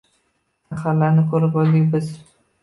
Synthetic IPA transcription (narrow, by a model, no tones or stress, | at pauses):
χalːaɾnɪkʰɵɾɪpɒld̪ɪkʲbɪz̥